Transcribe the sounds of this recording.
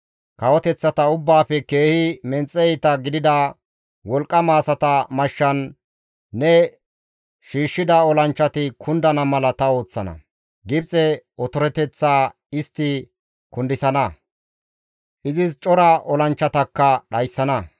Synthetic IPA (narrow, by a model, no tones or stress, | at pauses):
kɐwɔt̪ɛt͡sːɐt̪ɐʊbːaːpɛke̞ːhɪmɛnt͡sʼːɛjt̪ɐɡɪd̪ɪd̪ɐ | wɔlkʼːɐmaːsɐt̪ɐmɐʃːɐnː | ɛ | ʃiːʃːɪd̪ɐɔlɐnt͡ʃːɐt̪ɪkʰʊnd̪ɐnɐmɐlɐt̪ɐo̞ːt͡sːɐnɐ̰ | ɡɪbt͡sʼɛɔt̪ɔɾɛt̪ɛt͡sːaː | ɪst̪ːɪ | kʊnd̪ɪsɐnɐ | ʔɪzɪst͡ʃʼɔɾɐʔɔlɐnt͡ʃːɐt̪ɐkːɐɗɐjsːɐnɐ